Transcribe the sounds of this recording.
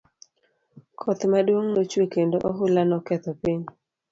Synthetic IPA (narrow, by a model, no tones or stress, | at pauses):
kʰɔt̪madwoŋnot͡ʃwekendoʔɔɦʊlanɔkɛt̪ɔpiɲ